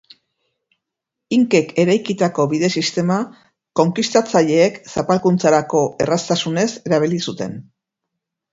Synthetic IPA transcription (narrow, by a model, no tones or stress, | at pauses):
iŋke̞kʰe̞ɾajkit̪ako̞βiðe̞sist̪e̞ma | ko̞ŋkist̪at͡saʎe̞ːksapalkunt͡saɾako̞e̞̰rast̪asune̞se̞ɾaβ̞ilisut̪e̞̰n